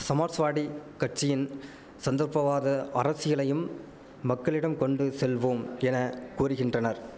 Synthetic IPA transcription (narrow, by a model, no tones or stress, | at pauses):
sɐmaːʈsʋaːɽikɐʈ̚t͡ʃːɪjɪn | sɐnd̪ɐɾpɐʋaːðɐʔɐɾɐsɪɣɐɭɐjɯmː | ɐkːɐɭɪɽɐmkɔɳɖɯsɛlʋoːmɛnɐkuːrɯɣɪndrɐnɐɾ